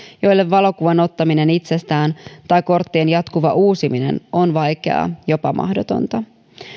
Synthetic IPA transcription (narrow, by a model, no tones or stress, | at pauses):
jo̞jlːe̞ʋːɑlo̞kuʋɑno̞t̪ːɑmine̞nit̪se̞st̪æːnt̪ɑjko̞rt̪ːiːnjɑt̪kuʋɑʔuːsiminḛno̞nʋɑjke̞̰ɑ̰jo̞pɑmʔɑ̰hdot̪o̞̰nt̪ɑ